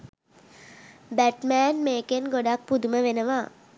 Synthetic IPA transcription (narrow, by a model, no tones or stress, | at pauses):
bæʈmæːnmeːkenɡoɖak̚pud̪uməʋenəʋaː